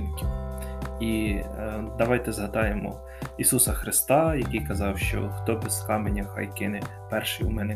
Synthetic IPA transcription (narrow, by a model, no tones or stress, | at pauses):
i | d̪ɐʋɑjt̪ɛzɦɐd̪ɑjemɔ̰ | isusɐxɾɪst̪ɑjɐkijkɐzɑwʃt͡ʃɔ̰xt̪ɔbɛzxɑmenʲːɐxɑ̰jkɪnɪ | pɛrʃɪjumɛnɛ